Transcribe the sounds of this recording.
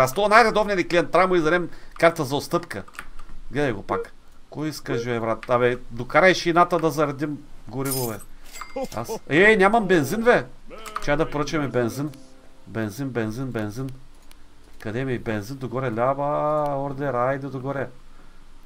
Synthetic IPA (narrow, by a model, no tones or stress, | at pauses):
ast̪onajɾɐd̪ɔvniɐnʲiklʲiɛnt̪ɾamoizɐɾɛmkaɾt̪əzɐot̪st̪ɤpkə̰ɡlɛd̪ɛɡopak | kɔjiskəʒivɛvɾat̪avɛd̪okaɾɐʃinat̪ɐd̪ɐzɐɾɐd̪imɡʊɾivovɛ | a̰sɛnʲamɐmbɛnzinvɛt͡ʃad̪ɐpoɾət͡ʃɛmɛbɛnzin | bɛnzinbɛnzinbɛnzin | kɐd̪ɛmibɛnzind̪oɡɔɾɛlʲabaɔɾd̪ɛɾaid̪ɛd̪oɡɔɾɛ